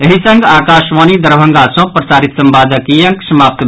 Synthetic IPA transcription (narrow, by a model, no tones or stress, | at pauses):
eɦisə̃ŋɡakasʋanid̪əɾbʱəŋɡasə̃pɾəsaːɾit̪səmbad̪əkijəŋksəmaːp̚t̪b